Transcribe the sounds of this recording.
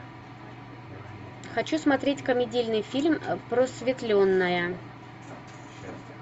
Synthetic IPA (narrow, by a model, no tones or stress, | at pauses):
xɐt͡ɕusmɐt̪ɾʲetʲkəmʲɪdʲilʲnɨjfʲilʲmpɾosvʲɪt̪lʲonːəjə